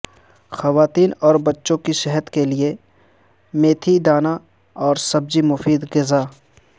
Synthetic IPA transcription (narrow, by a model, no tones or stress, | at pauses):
xɐʋaːt̪iːnɔːɾbɐtːʃõkiʃɛɦəd̪kelie | mẽːt̪ʰid̪aːna | ɔːɾsɐb̚d͡ʒimʊfiːd̪ɡɪzaː